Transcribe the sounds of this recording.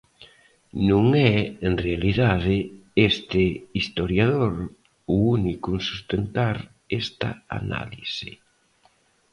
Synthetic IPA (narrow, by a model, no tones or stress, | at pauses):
nũŋɛenrealiðaðɪest̪ɪist̪oɾjað̞oɾ | uunikunsu̥st̪ent̪aɾ | ɛst̪ɐ̰a̰na̰lisɪ̰